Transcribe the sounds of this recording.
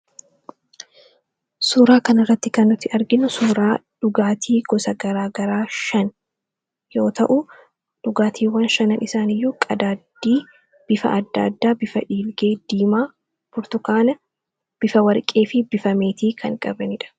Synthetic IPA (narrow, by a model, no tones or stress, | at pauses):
suːɾaːkɐnɪrːɐt̪ːɪkɐnːʊt̪ːɪʔɐɾɡɪnːʊsuːɾaːᶑʊɡaːt̪ʰiːɡ̥ɔsɐɡɐɾaːɡɐɾaːʃɐn | jo̞ːt̪ɐʔʊ | ᶑʊɡaːt̪ʰiːwːɐnʃɐnɐnʔɪsaːnɪjːuːkʼɐd̪aːd̪iː | b̥ɪfɐ̰ʔɐd̪ːa̰ːd̪ːaːbɪfɐᶑiːlɡeːd̪̥iːmaː | bʊɾt̪ʊkaːnɐ | b̥ɪfɐwɐɾkʼeːfɪbɪfɐme̞ːt̪iːkʰɐŋkʼɐbɐnɪᶑɐ̥